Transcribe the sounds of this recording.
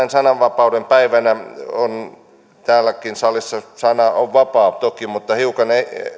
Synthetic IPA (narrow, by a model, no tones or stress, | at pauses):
nsɑnɑʋʋɑpɑudempæiʋænæon | t̪æːlːˑækinsɑlisːɑsɑnɑoʋʋɑpɑːpt̪okimut̪ːɑhiukɑne